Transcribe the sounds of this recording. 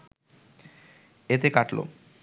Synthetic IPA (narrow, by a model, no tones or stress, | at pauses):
et̪ekaʈlo̰